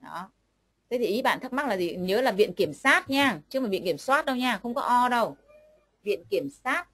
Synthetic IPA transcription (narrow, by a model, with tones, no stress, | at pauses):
ɗɔ˨˦ | t̪ʰə˨˦t̪ʰi˨˩ʔi˨˦ɓa̰ː˧˨nt̪ʰə˦˥ma˦˥k̚laː˨˩zi˨˩ɲəː˨˦laː˨˩vḭ˧˨ənki˧˩əmsaː˦˥t̚ɲaː˧˩t͡ɕɨ˧˥maː˨˩vḭ˧˨nki˧˩əmswaː˦˥t̚ɗə˧wɲaː˧˩xə˧wŋ͡mkɔ˨˦ʔɔ˧ɗə˧w | vḭ˧˨ənki˧˩əmsaː˦˥t̚